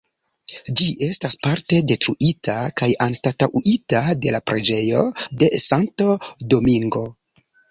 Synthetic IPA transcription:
d͡ʒiʔe̞staspaɾte̞de̞tɾuʔitʰakajanstatawʔitade̞lapɾe̞d͡ʒe̞jo̞de̞saŋtodo̞miŋɡo̞

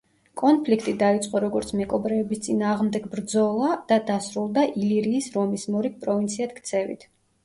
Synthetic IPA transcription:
kʼɔnpʰlikʰt̪ʼid̪ait̪sʼqʼɔɾɔɡɔɾt̪sʰmɛkʼɔbɾɛːbist̪sʼinaːʁmd̪ɛɡbɾd̪zɔlˠad̪̥ad̪asɾulˠd̪aʔiliɾiːsɾɔmismɔɾik̚pʼɾɔvint̪sʰiat̪kʰt̪sʰɛvḭt̪ʰ

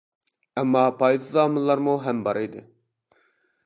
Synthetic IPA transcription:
ɑmːɑːpɑjd̪ɨzɑːmɨlːˠɑɾmuɦɛmbɑɾɨjd̪ɨ

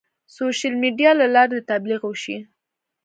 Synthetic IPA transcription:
soʃalmiɖijɑlalɑɾed̪ət̪abliɣwəʃi

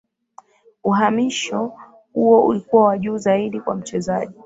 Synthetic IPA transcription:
uɦamiʃɔ | huɔʔṵlikuwawaʄuːzaiɗikwam̩t͡ʃɛzaʄi

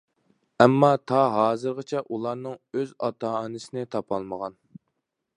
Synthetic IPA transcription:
ɛmːɑt̪ʰɑɦɑːzɨɾʁət͡ʃʰɛʔulˠɑɾnɨŋøzɑt̪ʰɑnɨsɪnɪt̪ʰɑpʰɑlˠməʁɑn

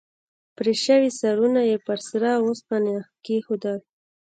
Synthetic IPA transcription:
pɾeʃəwisaɾunajepəɾsɾɑwos̚panɑxkexod̪əl

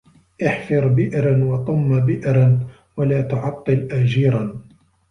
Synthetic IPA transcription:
ʔɪħfɨɾˤbɪʔɾanwɑt̪ˤʊmːabɪʔɾan | walaːt̪ʊʕɑt̪ˤːɨlʔad͡ʒiːɾˤan

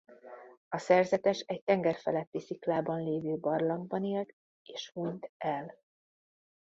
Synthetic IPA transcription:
ɒsɛrzɛt̪ɛʃɛc̚t̪ɛŋɡɛrfɛlɛt̪ːisiklaːbɒnleːvøːbɒrlɒŋɡ̚bɒniːlt̪ | eːʃhuɲt̪ɛl

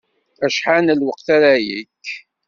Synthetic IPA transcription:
æʃħanəlwəqθaɾæjikː

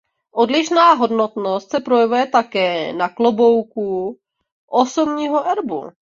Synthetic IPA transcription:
ʔo̞dlɪʃnaːɦo̞dnot̪no̞st̪sɛpɾo̞jɛvujɛt̪akɛːnaklobowku | ʔosobɲiːɦoʔɛɾbṵ

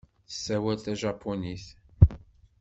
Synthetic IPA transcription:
θə̥sːæwælt̪æʒɑpʰːoniθ

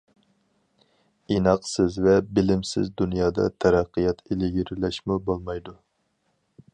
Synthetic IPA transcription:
inɑqsɪzvɛbɪlɪmsɪ̰zd̪unjɑːd̪ɑ̰t̪ʰæɾæqʰːɨjɑt̪ʰelɪɡʲiɾlɛʃmubolˠmɑjd̪u

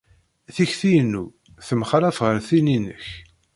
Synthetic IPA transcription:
θiçθijnːu | θəmχɾæfʁəɾθininə̰ç

